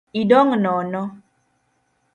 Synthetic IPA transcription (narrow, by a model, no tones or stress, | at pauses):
idɔŋnɔnɔ